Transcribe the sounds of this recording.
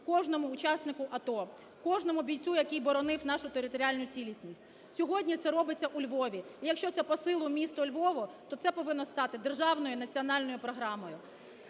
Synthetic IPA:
kɔʒnɔmʊːt͡ʃɑsnɪkʊʔɐt̪ɔ | kɔʒnɔmʊbʲijt͡sʲujɐkijbɔɾɔnɪwn̪ɑʃʊt̪eɾɪt̪ɔɾʲɪalʲnʊjʊt͡sʲilʲisʲnʲisʲtʲ | sʲɔɦɔdʲnʲit̪sɛɾɔbɪt͡sʲːɐʔulʲʋɔʋʲiijɐkʃt͡ʃɔt̪ɛpɔsɪlˠʊmʲist̪ɔlʲʋɔʋɔt̪ɔt̪sɛpɔʋɪnːɔst̪ɑt̪ɪd̪erʒɑwnɔjʊnɐt͡sʲiɔnɑlʲnɔjʊpɾɔɦɾɑmɔjʊ

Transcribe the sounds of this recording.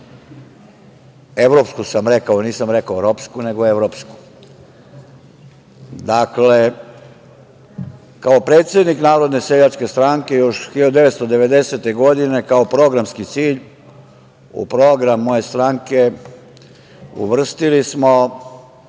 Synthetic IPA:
e̞ʋɾo̞pskusamɾekaoniːsamɾekaoɾopskune̞ɡoeʋɾopsku̥ | d̪akle | kaopɾeːt̪sje̞d̪niknaːɾo̞d̪ne̞seʎat͡ʃke̞st̪ɾaŋke̞jo̞ʃxiʎad̪ud̪e̞ʋet̪st̪od̪e̞ʋe̞d̪e̞se̞t̪e̞ɡo̞d̪ine̞kaopɾo̞ɡɾamskit̪siːʎ | ṵpɾo̞ɡɾamːo̞je̞st̪ɾaːŋke̞ | ṵʋr̩st̪ilismo

